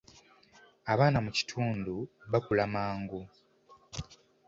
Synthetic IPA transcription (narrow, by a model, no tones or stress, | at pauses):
aβaːnamuci̥tʰuːnduβakulamaːŋɡu